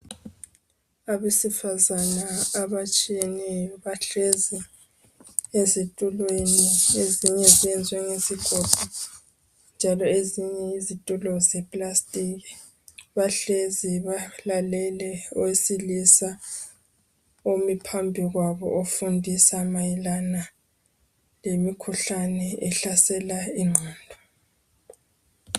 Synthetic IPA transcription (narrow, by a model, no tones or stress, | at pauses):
aβesifazanaːβat͡ʃʼijɛnɛjɔβaɬezi | ezitʼulwenieziɲɛziɛnd͡zʱwɛŋeziɡ̥ʱɔb̥ʱɔ | nd͡ʒʱalɔeziɲɛizitʼulɔzɛpʼlastʼiɣɛ | βaɬeziβalalɛlɛɔwesilisa | omipʰambʱiɣwaβɔ̰ʔofundʱisamajilana | lemikʰuɬanɛɛɬasɛlaiŋ͡ǀʱaːndʱɔ